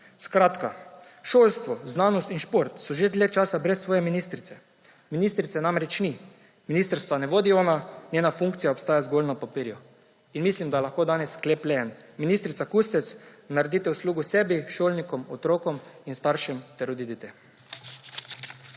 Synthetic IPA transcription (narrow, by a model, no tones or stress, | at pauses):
skɾaːt̪ka | ʃoːlst̪ʋɔznaːnɔst̪inʃpoɾt̪sɔʒed̪lʲet͡ʃaːsabɾɛsːʋoːjɛminist̪ɾit̪ɛ | minist̪ɾit̪sɛnaːmɾɛt͡ʃni | minist̪əɾst̪ʋanɛʋoːd̪iɔːnanjeːnafuŋkt̪sijaopst̪aːjazɡolnapapiɾju | inmislimd̪alaxkoːd̪aːnɛskleplɛɛn | minist̪ɾit̪sakust̪ɛt̪snaɾed̪iːt̪ɛusluːɡusɛbiʃolnikɔmɔt̪ɾoːkɔminst̪aɾʃimt̪ɛɾod̪id̪it̪ɛ